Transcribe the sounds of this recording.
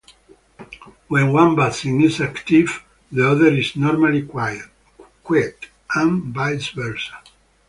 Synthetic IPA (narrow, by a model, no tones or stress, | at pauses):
wɛ̃nwãnbat̪sĩŋisakt̪iv | ðeɔðəɾiznɔɾmalikwajə | kwɛt̪ | ãmbajsvɛɹsa